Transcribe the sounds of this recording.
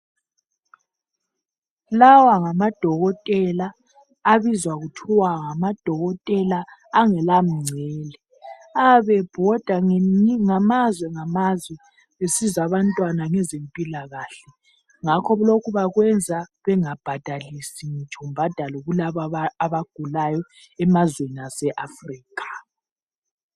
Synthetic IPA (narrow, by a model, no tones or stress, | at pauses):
lawaŋamad̥ʱɔɣɔtʼɛlaː | βizwaɣutʰɔwaŋamad̥ʱɔɣɔtʼɛlaːŋɛlam̩ŋ͡ǀʱɛːlɛ | aβɛb̥ʱɔd̥ʱaŋamazwɛŋamazwɛ | βesizaβantʼwanaŋɛzempʼilaɣaɬɛ | ŋakʰɔlokʰuβaɣwɛnd͡zʱaβɛŋab̥ʱad̥ʱalisiŋit͡ʃʰʼɔm̩bʱad̥ʱalɔɣulaβaaβaɡ̥ʱulajɔ | ɛmazwenasɛʔafriːkʰʼḁ